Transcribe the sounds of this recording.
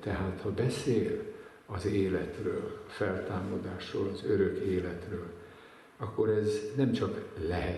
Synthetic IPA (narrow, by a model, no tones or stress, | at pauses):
t̪ɛɦaːt̪hɒbɛseːl | ɒzeːlɛt̪rø̰ːlɒfɛlt̪aːmɒd̪aːʃroːlɒzøɾøkeːlɛt̪røːl | ɒkːo̞ɾɛznɛmt͡ʃɒklɛɦɛ